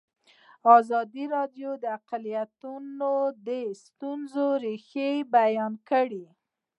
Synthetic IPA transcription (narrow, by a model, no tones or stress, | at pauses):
ɑzɑd̪iɾɑdjod̪əaqalijat̪unod̪əst̪unzoɾexebajɑnkəɽi